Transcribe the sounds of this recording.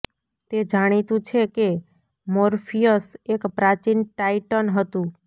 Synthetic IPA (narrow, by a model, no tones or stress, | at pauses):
t̪ed͡ʒaɽ̃it̪ũt͡ʃʰeke | moɾfʰijəsekpɾat͡ʃinʈaiʈənɦət̪ũ